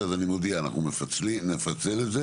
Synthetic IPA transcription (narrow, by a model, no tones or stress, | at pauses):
azanimod̪iaːna̰numefat͡slinefat͡seleze